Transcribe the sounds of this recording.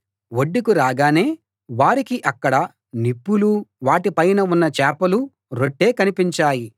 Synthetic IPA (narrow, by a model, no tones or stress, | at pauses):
woɖːikuɾaːɡaːne̞ː | ʋaːɾikiʔɐkːɐɽɐ | nipːuluʋaːʈipɐjnɐunːɐt͡ʃɛːpɐlu | ɾo̞ʈːe̞ːkɐnipiɲt͡ʃaːji